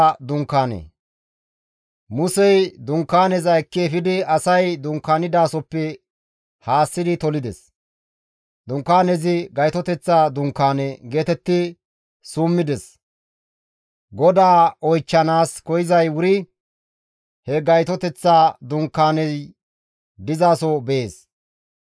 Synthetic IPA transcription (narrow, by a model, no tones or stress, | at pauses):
d̪ʊŋkːaːnḛː | mʊsɛjd̪ʊŋkːaːnɛzɐɛkːeːfɪd̪ɪɐsɐjd̪ʊŋkːaːnɪd̪aːsɔpːɛ | haːsːɪd̪ɪt̪ɔlɪd̪ɛ̰s | d̪ʊŋkːaːnɛzɪɡɐjt̪ɔt̪ɛt͡sːaːd̪ʊŋkːaːnɛɡe̞ːt̪ɛt̪ːɪ | sumːɪd̪ɛs | ɡɔd̪aːɔjt͡ʃːɐnaːskɔjɪzɐjwʊɾɪ | hɛɡɐjt̪ɔt̪ɛt͡sːaːd̪ʊŋkːaːnɛz | d̪ɪzaːsɔbɛeːs